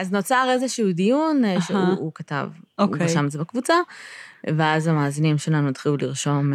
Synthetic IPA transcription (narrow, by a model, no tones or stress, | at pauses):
aznot͡saʁe̞zeʃuudijunʃeuukata̰vouesamezebakvut͡sa | veazamaːzinimʃelanuitχiluliʁʃo̞m